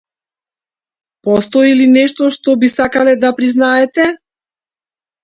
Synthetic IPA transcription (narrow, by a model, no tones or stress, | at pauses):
pɔst̪ɔilinɛʃt̪ɔʃt̪ɔbisakalɛd̪apɾiznaɛt̪ɛ